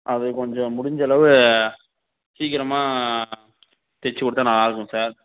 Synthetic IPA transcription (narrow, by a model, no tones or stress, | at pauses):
ʔɐðɯkɔɲd͡ʒɔ̃mʊɽɪɲd͡ʒɐlɐʋɯ | siːkɪɾɐmaː | t̪ɛt͡ʃːɯkɔɽɯt̪ːaːnãːaːɾɯkːʊ̃saːɾ